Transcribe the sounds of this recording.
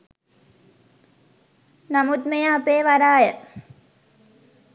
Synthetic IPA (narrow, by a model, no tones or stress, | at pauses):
namut̪mejaːpeːʋaɾaːjə